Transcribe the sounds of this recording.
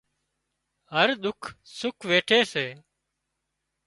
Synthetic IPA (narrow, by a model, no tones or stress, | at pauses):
ɦəɾɗ̪ʊkʰsʊkʰʋeːʈʰeːseː